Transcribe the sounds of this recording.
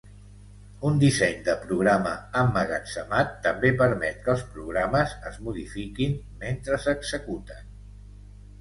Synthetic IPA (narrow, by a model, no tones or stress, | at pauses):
und̪isɛɲd̪əpɾuɣ̞ɾaməəmːəɣasəmat̪ːəmbepəɾmɛt̪̚kəlˠspɾuɣ̞ɾaməzəzmuð̞ifikin | ment̪ɾəsəɡzəkut̪ən